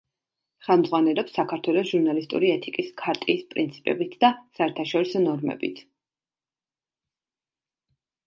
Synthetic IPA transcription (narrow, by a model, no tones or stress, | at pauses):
χɛlˠmd̪zʁwanɛlɛpsːakʰaɾt̪ʰwɛlˠɔsʒuɾnalist̪ʼṵɾiɛt̪ʰikʼiskʰaɾt̪ʼiːspʼɾint̪sʰi̥pʼɛ̰bit̪ʰd̪asaɛɾt̪ʰaʃɔɾisɔnɔɾmɛ̰bḭt̪ʰ